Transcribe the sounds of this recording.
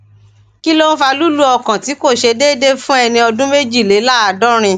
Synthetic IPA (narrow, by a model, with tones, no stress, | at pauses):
ki˦lo˦ñ̩˦fa˧lu˦lu˦ɔ˧˨kã˨ti˨˦ko˦˨ʃe˧deː˦˨de˦fũ˦ɛ˧nĩ˧ɔ˧dũ˦me˦d͡ʒi˦˨le˨˦la˦a˨dɔ˦ɾ̃ĩ˧